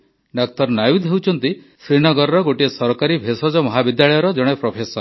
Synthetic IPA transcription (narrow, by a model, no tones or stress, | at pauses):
ɖɔk̚t̪ɔɾnajud̪ɦewt͡ʃʰɔnt̪i | sɾinɔɡɔɾɾɔɡoʈiesɔɾɔkaɾibʱesɔd͡ʒɔmɔɦabid̪jaɭɔjɔɾɔd͡ʒɔɽ̃epɾɔpʰesɔɾ